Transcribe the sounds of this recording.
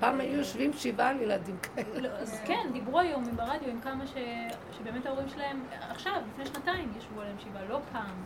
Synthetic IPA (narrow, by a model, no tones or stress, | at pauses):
paːmajujoʃvimʃivalejelad̪imkaeleloazkendibʁuajo̞mimbeʁad̪jo̞imkamaʃe̞ʃe̞be̞eme̞tao̞ʁimʃelae̞m | aχʃavlifneʃnataimjaʃvualaemʃivalo̞pʰaːm